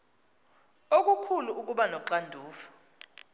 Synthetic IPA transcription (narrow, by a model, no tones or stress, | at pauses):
ok̬ʼukʰuluʔuk̬uɓanɔǁandʱuːfɔ̥